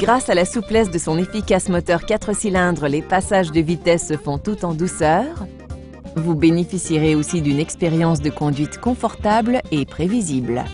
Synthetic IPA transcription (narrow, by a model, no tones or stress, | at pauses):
ɡʁasalasuplɛs̬d̪əsɔ̃nefikʲasmɔt̪œʁkʲat̪χəsilɛ̃d̪ʁəlepasaʒd̪əvit̪ɛsːəfɔ̃t̪ut̪ɑ̃d̪usœʁ | vubenefisiʁeosid̪ynɛkspeʁjɑ̃s̬d̪əkɔ̃d̪ɥit̪kɔ̃fɔʁt̪ablepχevizibl